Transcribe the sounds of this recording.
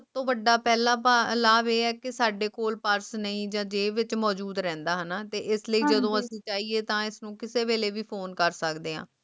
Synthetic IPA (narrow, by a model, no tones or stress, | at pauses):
ət̪õːʋəɖːaːpɛːlaːpalaːbeːɛːkɪsaːɖeːkoːlpəɾsnəĩːd͡ʒãːd͡ʒeːʋɪt͡ʃmɔːd͡ʒuːd̪ɾɛ̃ːnd̪aːɦənaːt̪eːʔɪsləiːd͡ʒəd̪õːəsĩːt͡ʃaːieːt̪ãːɪsnũːkɪseːʋeːleːʋiːpʰoːnkəɾsəkd̪eːɦã̰ː